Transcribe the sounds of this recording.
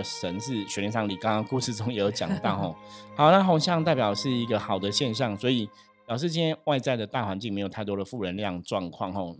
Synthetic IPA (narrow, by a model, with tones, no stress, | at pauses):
ə˩ʂə˧˦nʂɻ̩˥˩ɕɥɛ˨nlɛ˧˥nsɑ˧˥ŋli˨˩kɑ˥ŋɑ˥ŋku˥˧ʂɻ̩˥˩ʈ͡ʂʊ˥ŋjɛ˨˩jo˧˦˥ʊt͡ɕjɑ̰˨˩ŋt̪ɑ˥˨ʊɔ˥˩hɑ˨˦ʊna˥˧ɦo˧˥ŋɕjɑ˥˧ŋt̪a˥˩pjɑ˨˩ʊəʂɻ̩˥˩i˧˥ɡə˧xɑ˨˩ʊd̪ə˩ɕjɛ˥˧nɕ̬jɑ˥˩ŋswɔ˧˥i˨˩ | pjʊʂ̬ɻ̩˥˩t͡ɕi˥nt̪ʰjɛ˥nwa˥˧ɪt͡sa˥˩ɪd̪ə˩t̪a˥˩xwa˧˦nt͡ɕi˥˩ŋme˧˥ɪjtʰa˥˩ɪt̪wɔ˥d̪ə˨˩fu˥˩ɻə˧˦nli˥˧jɑ˥˧ŋʈ͡ʂwɑ˥˧ŋkʰwɑ˥˨ŋɦɔ˨˩